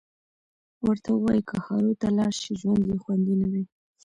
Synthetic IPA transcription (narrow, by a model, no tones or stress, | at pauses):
wəɾt̪awəwɑjikəxɑɾot̪alɑɽʃiʒwand̪jexwand̪inawi